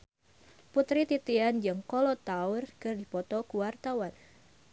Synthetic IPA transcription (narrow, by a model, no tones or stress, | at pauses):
put̪ɾit̪it̪iand͡ʒɨŋkɔlɔt̪aʊrkɨrdipɔt̪ɔkuwart̪awan